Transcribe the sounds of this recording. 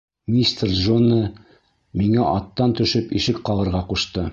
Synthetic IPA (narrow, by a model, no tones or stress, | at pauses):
mʲist̪rʒonə | miŋæʔɑt̪ːɑnt̪ɵ̆ʃɘpiʃɘkqɑlˠɤ̆ɾʁɑquʃt̪ɤ